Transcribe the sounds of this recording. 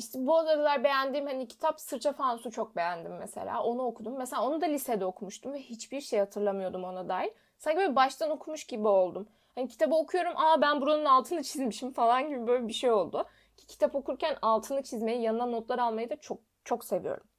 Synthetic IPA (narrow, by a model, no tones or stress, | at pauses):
iʃt̪ʰɛbuazad̪alˠaɾbe̞jænd̪iːmhanicʰi̥t̪ʰapsɯɾt͡ʃʰafansut͡ʃʰo̞k̚be̞jænd̪imːesḛlʲa̰ːʔo̞nuokʰud̪umːeselʲaːo̞nud̪alʲised̪ɛo̞kʰumuʃt̪ʰumvɛhit͡ʃbiɾʃejhat̪ʰɯɾlˠamɯjo̞d̪umo̞nad̪aːjiɾ | saɲcibøbbaʃt̪ʰano̞kʰumuʃɟibio̞lˠd̪um | hanicʰi̥t̪ʰabɯo̞kʰujo̞ɾumʔabænbuɾanunalˠt̪ʰɯnɯt͡ʃʰizmiʃimfalˠanɟibibø̞jlʲɛbiʃe̞jo̞lˠd̪u | cʰi̥cʰi̥t̪ʰapo̞kʰuɾcʰænalˠt̪ʰɯnɯt͡ʃʰizme̞jijanɯd̪anːo̞t̪lˠaɾalˠmajɯd̪at͡ʃʰok̚ | t͡ʃʰo̞kse̞vḭjo̰ɾumm